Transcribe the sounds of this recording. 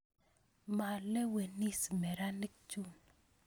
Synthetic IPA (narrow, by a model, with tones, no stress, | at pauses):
ma˨lɛ˦we˨ni˦smɛ˨ɾa˦ni˦k̚t͡ʃu˦n